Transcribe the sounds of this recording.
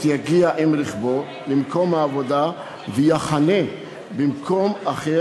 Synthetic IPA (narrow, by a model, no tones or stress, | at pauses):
jaɡiaʔimɾiχbo | limkomhaːvod̪a | vejaχane | bimkʰomaχe